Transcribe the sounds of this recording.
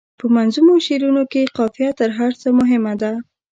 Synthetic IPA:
pəmanzumoʃeɾunokeqɑfijat̪əɾɦaɾt͡səmʊɦɪmad̪a

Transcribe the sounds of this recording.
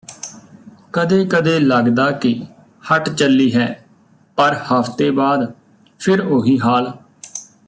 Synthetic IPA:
kəd̪eːkəd̪eːləɡd̪aːkɪ | həʈt͡ʃəlːiːɦɛː | pəɾhəpʰt̪eːbaːd̪ | pʰɪɾoːɦiːɦaːl

